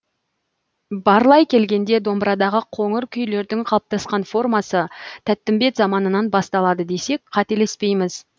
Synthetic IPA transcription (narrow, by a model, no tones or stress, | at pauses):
bɑɾlˠɑjkʲʰe̞lɡʲe̞nd̪e̞d̪o̞mbɾɑd̪ɑʁəqʰo̞ŋəɾkʲʰʏjle̞ɾd̪ɪŋqʰɑlˠəp̚t̪ɑsqɑnfo̞rmɑsət̪ʰæt̪ːɪmbe̞t̪zɑmɑnənɑnbɑst̪ɑlˠɑd̪əd̪e̞se̞k̚qʰɑt̪e̞le̞spe̞jmɪz̥